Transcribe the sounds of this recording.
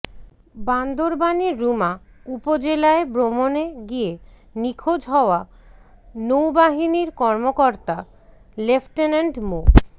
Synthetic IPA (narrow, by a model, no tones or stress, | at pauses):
band̪ʱoɾbaniɾːuma | upod͡ʑelaebɾomoneɡienikʰod͡ʑɦɔoa | nowbaɦiniɾkɔɾmokɔɾt̪a | lefʈenaɳɖmo